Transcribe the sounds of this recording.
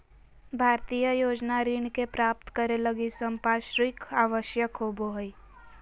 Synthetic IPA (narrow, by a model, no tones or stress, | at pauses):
bʱaːɾt̪ijəjoːd͡ʒnaɾiːɳkepɾaːp̚t̪kəɾeləɡisə̃mpaːʃɾɪkaːʋəʃjəkɦoːboɦəi